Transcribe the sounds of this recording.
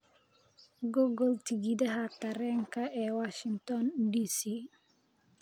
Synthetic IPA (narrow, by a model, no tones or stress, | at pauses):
ɡɔɡɔltiɡidaɦakaɾɛŋkaʔɛwaʃiŋtɔndisi